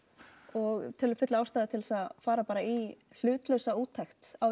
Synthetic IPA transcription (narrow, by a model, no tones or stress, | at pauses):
ɔɣt̪ʰɛlʏfʏt̪laawst̪ajðɪt̪ʰɪlsaðfaːɾapaːɾai | l̥ʏːt̪lœɥsauːt̪ʰːajxt̪aw